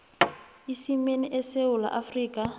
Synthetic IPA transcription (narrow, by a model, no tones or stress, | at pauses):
isimeniʔɛseʊla̰ʔafriːkʼa